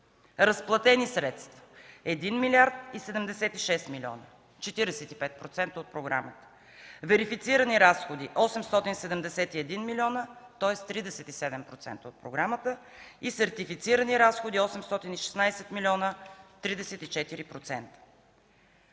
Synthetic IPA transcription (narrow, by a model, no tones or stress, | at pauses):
ɾəsplˠɐt̪ɛnisɾɛt̪st̪və̥ɛd̪inmilʲaɾt̪isɛd̪ɛmd̪ɛsɛt̪iʃɛst̪milʲɔ̰nə | t͡ʃɛt̪iɾɛsɛt̪ipɛt̪̚pɾot̪sɛnt̪əot̪̚pɾoɡɾa̰mət̪ə̥ | vɛɾifit̪siɾəniɾasxod̪iʔɔsɛmst̪ɔt̪insɛd̪ɛmd̪ɛsɛt̪iɛd̪inmilʲiɔnət̪ɔɛst̪ːɾid̪ɛsɛt̪isɛd̪ɛmpɾot̪sɛ̰nt̪əot̪̚pɾoɡɾamət̪ə | isɛɾt̪ifit̪siɾəniɾasxod̪iɔsɛmst̪ɔt̪iniʃɛ̥snajsɛt̪milʲɔnət̪ɾid̪ɛsɛt̪it͡ʃɛt̪iɾipɾot̪sɛnt̪ə̥